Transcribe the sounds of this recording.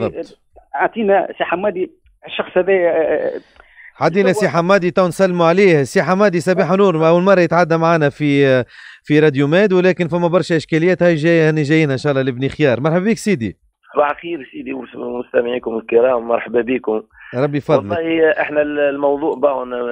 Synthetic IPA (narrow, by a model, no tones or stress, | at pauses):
bðˤːɑb̪ | ʕaʕt̪ˤiːnæsiħamːæd̪i | ʃːɑxsˤhæðæj | ħad̪iːnæsiħamːɑːd̪it̪ˤɑːwnsælːmuʕaliːhsiːħamːɑːd̪isɑbaːħnuːɾˤʔæwːəlmɑrˤːɑjɪt̪ʕad̪ːæmaʕaːnæfi | fiɾˤɑd̪jumɛːd̪wlæːkɪnfæmːæbɑɾˤʃæʔɪʃkælɪjæːt̪hæjʒænæʒæjːiːnhæʔnʃæːʔlˤːɑlɪbnixjɑːɾˤmɑɾˤħabbiːksiːd̪ḭ | baʕxiːɾsiːd̪iwmʊst̪æmɪʕiːkʊmɪlkɪɾɑːmːɑɾˤħabæbiːkʊmɾˤɑbːifɑdlˤlːɑɑːhiʔɪħnællmɑwðˤuːʔbaʕʊn